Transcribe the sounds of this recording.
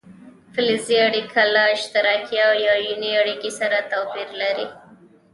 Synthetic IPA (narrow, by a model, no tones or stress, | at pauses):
fɪlɪziaɽikʰalɑʃt̪aɾɑkjawjɑjuniaɽikisaɾat̪apiɾlaɾi